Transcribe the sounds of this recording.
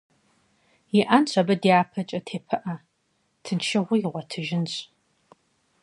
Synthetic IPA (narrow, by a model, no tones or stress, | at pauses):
jɪʔɐnɕʷʰʼɐbɐdiaːpʰɐt͡ʃʼɐtʰeːpʰɨʔɐ | tʰɨnʃʰɪʁʷʊjɪʁʷɔtʰɨʒɪnɕʼ